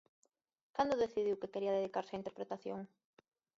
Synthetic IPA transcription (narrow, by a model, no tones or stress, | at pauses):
kand̪oðeθiðiwkekeɾiɐðeðikaɾseɐint̪eɾpɾet̪aθjo̰ŋ